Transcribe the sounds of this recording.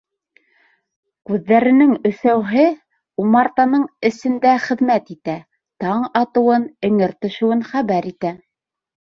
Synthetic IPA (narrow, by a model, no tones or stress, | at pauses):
kʉðːæɾɘ̆nɘŋɵ̆sæwɦɘ | umɑɾt̪ɑnɤɴɘ̆sɘ̆nd̪æχɘ̆ðmæt̪it̪æ | t̪ɑɴɑt̪ɤ̆wɤnɘ̆ŋɘɾt̪ɵ̆ʃɘ̆wɘnχæβæɾit̪æ